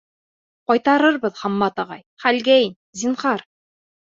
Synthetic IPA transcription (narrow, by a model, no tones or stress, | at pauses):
qɒjt̪ɑɾɤɾbɤðhɑmːɑt̪ɑʁɑjχælɡæin | ziɴχɑɾ